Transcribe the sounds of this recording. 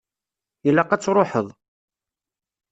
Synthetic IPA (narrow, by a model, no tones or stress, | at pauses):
jəlːæqæt͡sːɾˤoħəðˤ